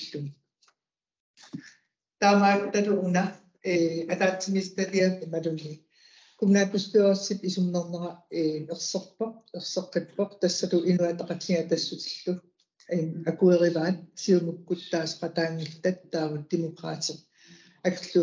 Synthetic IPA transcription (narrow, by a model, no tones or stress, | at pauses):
ɬun | t̪aːmakt̪at̪uʔuna | eat̪aːt͡sːimist̪aɾiapimaɾunːi | kumnaːkust̪eʁsːip̪isumnɑʁnɑʁɑemeqsɑq̚pɑq̚eqsɑqːet̪pɑqt̪asːat̪uʔinuat̪ɑqɑt̪xiat̪asːut̪ə̥ɬːu | imakueʁevaːn̚siumukːut̪ːaːsqɑt̪aːŋːiɬt̪at̪ːaːvut̪imukɑ̰ːt͡seq̚ | akɬu